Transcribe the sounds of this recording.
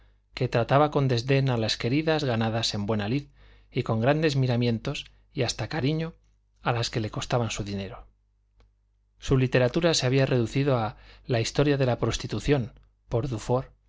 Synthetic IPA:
ke̞t̪ɾat̪aβako̞nd̪e̞zðe̞nalaske̞ɾiðazɣanaðase̞mbwe̞naliθ | iko̞ŋɡɾand̪e̞zmiɾamjẽ̞nt̪o̞s | iast̪akaɾiɲo̞ | alaske̞le̞ko̞st̪aβansuðine̞ɾo̞ | sulit̪e̞ɾat̪uɾase̞aβiarʔe̞ðuθiðo̞alaist̪o̞ɾjaðe̞lapɾo̞st̪it̪uθjo̞m | po̞ɾðufo̞ɾ

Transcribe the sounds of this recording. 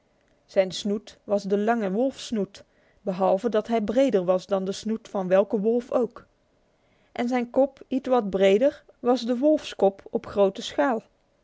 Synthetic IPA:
z̥ɛjnsnutʋɑzdəlɑŋəʋɔlˠfsnut | bəɦɑlˠvədɑtɦɛjbrejdəɹʋɑsdɑndəsnutfɑnʋɛlˠkəʋɔlˠfowk | ʔɛnzɛjnkɔpitʋɑd̚brejdəɹ | ʋɑzdəʋɔlˠfskɔpɔpχrowtəsχaːlˠ

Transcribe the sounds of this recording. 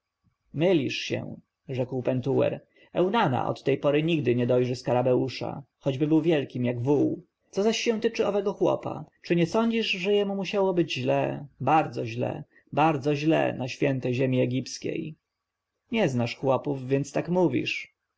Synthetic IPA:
mɘlʲiʂɕɛ̰̃ | ʐɛkwpɛnt̪uɛ̰ɾ | ɛwnana̰ʔɔ̰t̪ːɛjpɔɾɘɲiɡd̪ɘɲɛd̪ɔjʐɘskaɾamɛuʂa̰xɔd͡ʑbɘbɘwvʲjɛlkʲimjaɡvuw | t̪sɔzaɕːɛ̃w̃t̪ɘt͡ʂɘɔvɛɡɔxwɔ̰pa̰t͡ʂɘɲɛsɔɲd͡ʑiʐʐɛjɛmumuɕawɔbɘd͡ʑʑlɛbaɾd̪zɔʑlɛ̰ | baɾd̪zɔʑlɛ̰naɕfʲjɛnt̪ɛjʑemʲiɛɡʲipskʲḛj | ɲɛznaʂxwɔpuvvʲjɛnt̪st̪akmuvʲḭʂ

